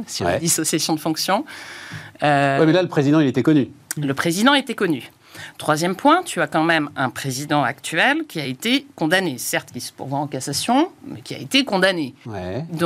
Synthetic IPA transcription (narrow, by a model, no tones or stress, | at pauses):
siɛd̪isɔsjasjɔ̃d̪əfɔ̃ksjɔ̃ | øwɛmɛlaləpχezid̪ɑ̃ilet̪ɛkɔnyləpχezid̪ɑ̃et̪ɛkɔny | t̪χwazjɛmpwɛ̃t̪yakɑ̃mɛmɛ̃pχezid̪ɑ̃a̰kt̪ɥɛlkʲiaet̪ekɔ̃d̪anesɛʁt̪kʲisə̥pṵʁvwãɑ̃kasasjɔ̃mɛkʲia̰et̪ekɔ̃d̪anewɛd̪̃